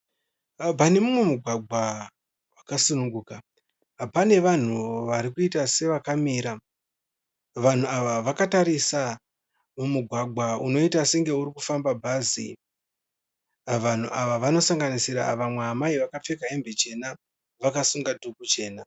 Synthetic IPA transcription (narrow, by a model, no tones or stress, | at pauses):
p̬ane̞mumwe̞muɡʱwaɡ͡bʱa | wakasunuŋɡuːka | pane̞ʋan̤uʋaɾikuitase̞ʋakamiːɾa | ʋan̤uaʋaʋakataɾisa | mumuɡʱwaɡʱauno̞itase̞ŋɡe̞uɾikufambabʱazḭ | ʋan̤uʔaʋaʋano̞saŋɡanisiɾa̰ʋamweɦamaiʋakap͡fe̞kaembe̞t͡ʃe̞na | ʋakasuŋɡadʱukut͡ʃe̞ːna